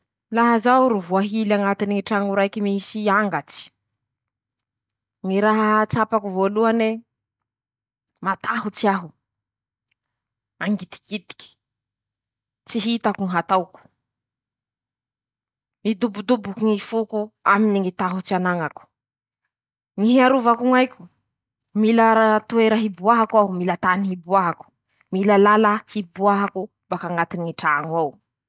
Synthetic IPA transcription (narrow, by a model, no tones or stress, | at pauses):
laɦazawɾuvuaɦilaŋat̪iniŋiʈ͡ʂaŋuɾajkimisiaŋɡat͡si̥ | ŋiɾaɦat͡sapakuvoluane | mat̪ʰaɦut͡siaɦu | aŋɡit̪i̥kit̪i̥kʲi̥ | t͡siɦit̪akuŋiɦat̪awku̥ | mid̪ubud̪ubukuŋifukuaminiŋit̪aɦut͡sianaŋaku̥ | ŋiɦiaɾuvakuŋajkʲu̥ | milaɾat̪ueɾəɦibuaɦakaumilat̪aniɦibuaɦaku̥ | milalalahibuaɦaku | bakaŋat̪iniʈ͡ʂaːŋwaw